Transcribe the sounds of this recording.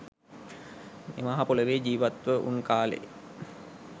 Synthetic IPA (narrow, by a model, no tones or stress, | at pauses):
mḛːmaɦapoləɾeːd͡ʑiːʋat̪ʋəʔṵnkaːlḛ